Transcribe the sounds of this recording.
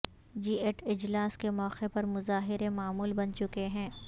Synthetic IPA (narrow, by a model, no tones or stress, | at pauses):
d͡ʒiːeʈɪd͡ʒlaːskemɔːqepɐɾmʊzaːɦɪɾemaːmuːlbɐnt͡ʃʊkeɦɛ̃ː